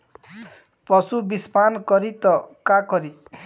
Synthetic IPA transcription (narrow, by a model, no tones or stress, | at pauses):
pɔsubispankɔɾit̪ɔkakɔɾi